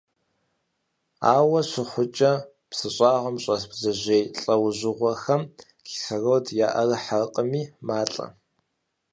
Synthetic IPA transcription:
a̰ːwɐɕʷɪχʷʊt͡ʃʼɐ | psɨɕʼɑːʁʊmɕʼɐsbzɨʑejɬʼɐwʑɪʁʷɐxɐm | kɪ̥xɐrowdjaːʔɐrɨħaqʼəmiːmaːɬʼɐ̰

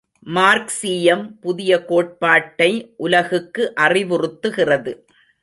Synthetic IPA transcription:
maːɾksiːjɐmpʊðɪjɐkoːʈ̚paːʈːɐɪʔʊlɐɣɯkːɯʔɐrɪʋɯrɯt̪ːɯɣɪrɐðɯ

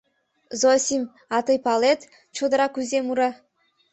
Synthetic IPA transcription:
zosʲim | ɑt̪ɤjpɑlˠet̪ | t͡ʃʰod̪əɾɑkʉzemuɾa

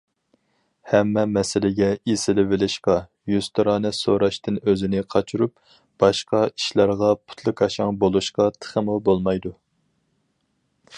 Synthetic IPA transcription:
hɛmːɛmɛsɪlɪɡʲɛisɪlɪvɪlɪʃqɑ | jyz̥t̪ʰɨɾɑːnɨsoɾɑʃt̪ɨnøzɪnɪqʰɑt͡ʃʰuɾup̚ | b̥ɑʃqɑi̥ʃlɑɾʁɑpʰu̥t̪ʰlˠɨkʰɑʃɑŋbolˠuʃqɑt̪ʰə̥χəmʊbolˠmɑjd̪u

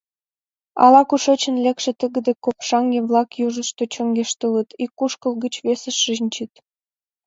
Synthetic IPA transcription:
ɑ̰lɑkuʃet͡ɕə̆nlʲekʃĕt̪əɣə̆d̪ekopʃɑŋɡeβlɑkjuʒə̆ʃt̪ot͡ɕə̆ŋɡeʃt̪ələt̪ikːuʃkəlˠɡət͡ɕβesə̆ʃinʲt͡ɕit̪

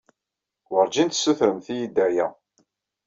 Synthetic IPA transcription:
wəɾd͡ʒint̪sːuθɾəmθijid̪ːæjæ

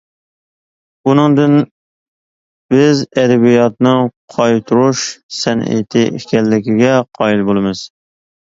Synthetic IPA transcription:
bunɨŋd̪ɨn | b̥ɪzɛd̪ɛbijɑt̪nɨqʰɑjt̪ʰuɾuʃsɛnḛt̪ʰɪɪkʲɛlːɪkʲiɡʲɛqʰɑːjilbolˠɨmɨz̥

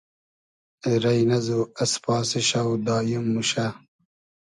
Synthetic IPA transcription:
ɾɐjnɐzuɐspɑːsiɕawd̪aːjumːuɕa

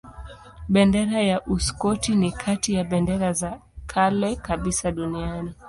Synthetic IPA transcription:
ɓɛndɛɾajaʔuskɔtinikʰatijaɓɛndɛɾazakʰalɛkaɓisaɗuniani

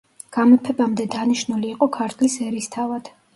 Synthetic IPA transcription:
ɡ̥amlpʰɛbamd̪ɛd̪aniʃnuliːqʼɔkʰaɾt̪ʰlisɛɾist̪ʰavad̪̥

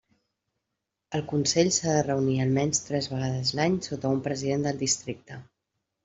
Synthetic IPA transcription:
əlˠkunsɛʎsaðərəuniəlˠmɛnst̪ɾɛzβəɣ̞aðəzlaɲsot̪əumpɾəziðend̪əlˠd̪ist̪ɾik̚t̪ə

